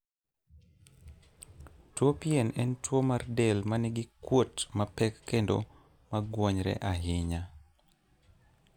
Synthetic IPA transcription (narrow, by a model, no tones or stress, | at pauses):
twopiɛnɛntwomardɛlmanɪɡɪkwotmapɛkːendo̰ | maɡwɔɲɾɛ̰ʔaɦɪɲa